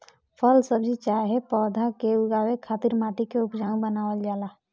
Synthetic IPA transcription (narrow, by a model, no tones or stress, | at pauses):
pʰəlsəbd͡ʒit͡ʃaɦepɔːd̪ʱakeuɡawekʰat̪iɾmat̪ikeupd͡ʒaŋɡbənawəld͡ʒaːla